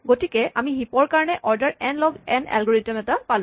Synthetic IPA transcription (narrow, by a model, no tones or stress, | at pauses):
ɡotikɛʔamixipɔɹkaɹɔnɛʔʔɔɹdaɹɛnlɔɡɛ̰nɛ̰lɡɔɹitɔmɛtapalʊ̃